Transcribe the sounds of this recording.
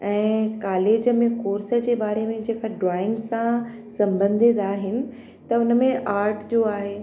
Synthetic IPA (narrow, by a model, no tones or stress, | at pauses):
ɛ̃ːkaːleːd͡ʑə̆mẽkoːɾsə̆d͡ʑeːbaːɾemẽd͡ʑeːkaɖɾaːɪ̃ŋɡsã | sɐ̃mbə̃nd̪ʱid̪aːɦɪnɪ̆ | t̪ɐʊnəmẽʔaːɾʈd͡ʑoːaːɦeː